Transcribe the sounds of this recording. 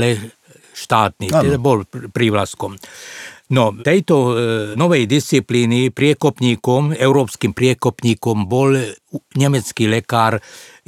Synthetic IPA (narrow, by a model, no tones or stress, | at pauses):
lɛ | ʃt̪aːt̪niɛd̪abɔlpɾiʋlaskɔm | nɔt̪ɛjt̪ɔnɔʋɛjd̪ist͡sipliːnipɾɪɛkɔpɲiːkɔmɛʊɾɔːpskiːmpɾɪɛkɔpɲiːkɔmbɔlɲɛmɛt͡skiːlɛkaːɾ